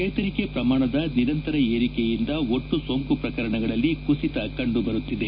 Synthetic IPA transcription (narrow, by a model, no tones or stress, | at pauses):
t͡ʃɐjt̪ɐɾike̞pɾɐmaːɳɐd̪ɐniɾɐnt̪ɐɾɐeːɾikejind̪ɐo̞ʈːusoŋkupɾɐkɐɾɐɳɐɡɐɭɐlːikusit̪ɐkɐɳɖubɐɾut̪ːid̪e